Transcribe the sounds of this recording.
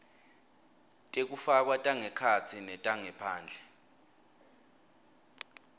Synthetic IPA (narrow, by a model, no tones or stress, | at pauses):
tʼek̬ufak̬watʼaŋɛkʰat͡sʰinɛtʼaŋɛpʰaːnd͡ɮʱɛ